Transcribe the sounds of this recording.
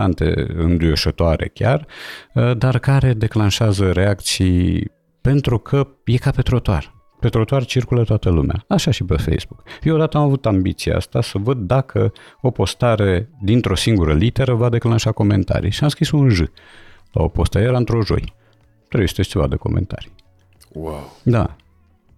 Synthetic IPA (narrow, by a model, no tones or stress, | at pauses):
ant̪e̞̰ɨ̰nd̪ujoʃət̪oaɾe̞̰kʲar | d̪arkaɾe̞d̪e̞klanʃeazəɾe̞akt̪sij | pe̞nt̪ɾukʰəje̞kape̞t̪ɾot̪oa̰r | pe̞t̪ɾo̞t̪oart͡ʃirkulət̪oat̪əlumea̰aʃaʃipefḛjsbukeod̪at̪əamavut̪ambit̪sijḛa̰st̪asəvəd̪ːakʰəo̞po̞st̪aɾe̞d̪int̪ɾo̞siŋɡuɾəlit̪e̞ɾəvad̪e̞klanʃako̞me̞̰nt̪a̰ɾḭʃiamskɾisunʒɨla̰o̞̰po̞st̪ajeɾaɨnt̪ɾo̞ʒo̞̰j | t̪ɾebjest̪est͡ʃeva̰d̪əko̞̰mʔḛnt̪a̰ɾi | wawd̪a̰